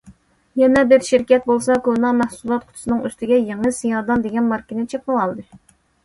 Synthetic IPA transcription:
jɛnɛbɪɾʃɪɾkʲɛt̪̚bolˠsɑkonɑmæhsulˠɑt̪̚kʰʊ̥t̪ʰu̥sɨnɨŋyst̪ɪɡʲɛjeŋɨsijɑːd̪ɑnd̪eɡʲɛnmɑɾkʲinɪt͡ʃʰep̚owɑlˠd̪ɨ

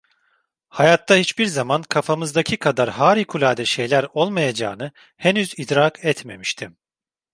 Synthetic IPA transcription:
hajat̪ːahit͡ʃbiɾzamankʰafamɯzd̪acʰikʰad̪aɾɦaːɾikʰulʲaːd̪ɛʃe̞jlʲæɾo̞lˠmajad͡ʒa̰ːnɯ | henyzid̪ɾaːkʰɛt̪me̞miʃt̪ʰim

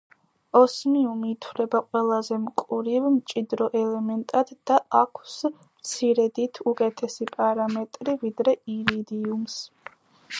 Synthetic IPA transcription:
ɔsmiumiːt̪ʰwlɛbaqʼwɛlˠazɛmkʼuɾivmt͡ʃʼid̪ɾɔʔɛlɛmɛnt̪ʼad̪̥d̪aakʷʰs | mt̪sʰiɾɛd̪it̪ʰukʼɛt̪ʰɛsipʼaɾamɛt̪ʼɾivid̪ɾɛiɾid̪iums

